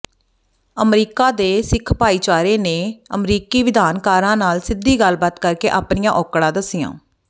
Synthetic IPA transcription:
əmɾiːkaːd̪eːsɪkʰpaːiːt͡ʃaːɾeːneːəmɾiːkiːʋɪd̪aːnkaːɾãːnaːlsɪd̪iːɡəlbaːt̪kəɾkeːʔaːpnɪjãːʔɔːkɽãːd̪əsɪjã̰ː

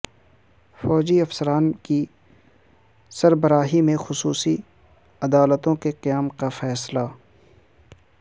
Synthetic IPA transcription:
fɔːd͡ʒiɐfsəɾaːnki | sɐɾbəɾaːɦimẽxʊsuːsi | ɐd̪aːlət̪õkeqɪjaːmkafɛːsla

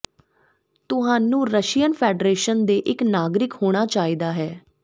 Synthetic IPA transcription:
t̪ʊɦãːnũːɾəʃijənpʰɛːɖɾeːʃənd̪eːʔɪknaːɡɾɪkhoːɽ̃aːt͡ʃaːiːd̪aːɦɛː

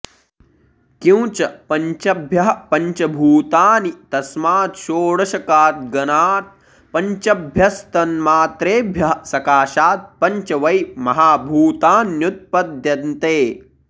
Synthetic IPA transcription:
kĩwt͡ʃɐpɐɲt͡ʃɐbʱjɐɦɐpɐɲt͡ʃɐbʱuːt̪aːnit̪ɐsmaːt̪ʃoːɽɐʃɐkaːt̪̚ɡɐnaːt̪̚ | pɐɲt͡ʃɐbʱjɐst̪ɐnmaːt̪ɾeːbʱjɐɦɐsɐkaːʃaːt̪̚pɐɲt͡ʃɐʋɐjmɐɦaːbʱuːt̪aːnjut̪̚pɐd̪jɐnt̪eː

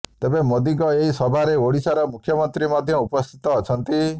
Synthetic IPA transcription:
t̪ebemod̪iɡɔeɦisɔbʱaɾeoɽisaɾɔmukʰjɔmɔnt̪ɾimɔd̪ʱjɔupɔst̪ʰi̥t̪ɔːt͡ʃʰɔnt̪i

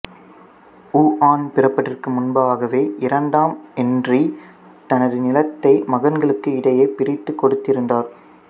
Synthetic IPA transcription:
uːʔaːnpɪrɐpːɐʈːɪrkɯmʊnbaaːɣɐʋeːʔɪɾɐɳɖaːmɛndri | t̪ɐnɐðɯnɪlɐt̪ːɐɪmɐɣɐnɡɐɭɯkːɯɪɽɐjɐɪpɪɾɪt̪ːɯkːɔɽɯt̪ːɪɾɯndaːɾ

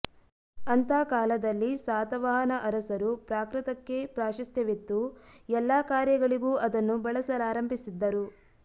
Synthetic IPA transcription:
ɐnt̪aːkaːlɐd̪ɐlːisaːt̪ɐʋaːɦɐnɐʔɐɾɐsɐɾupɾaːkɾɐt̪ɐkːe̞pɾaːʃɐst̪jɐʋit̪ːuɛlːaːkaːɾjɐɡɐɭiɡuːʔɐd̪ɐnːubɐɭɐsɐlaːɾɐmbʱisid̪ːɐɾu

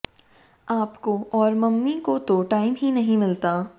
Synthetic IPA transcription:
aːpkoɔːɾmɐmːikot̪oʈaːɪmɦinɐɦĩmɪlt̪aː

